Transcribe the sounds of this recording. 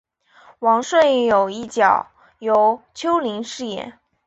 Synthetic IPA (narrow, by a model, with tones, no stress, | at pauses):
wɑ˧˥ŋʂwe˥˩jo˨˩ʊi˥˩t͡ɕjɑ˨˩˦ʊ | jo˧˥ʊt͡ɕʰjo˥ʊli˧˥ŋʂɻ̩˥˩jɛ̰˨˩˦n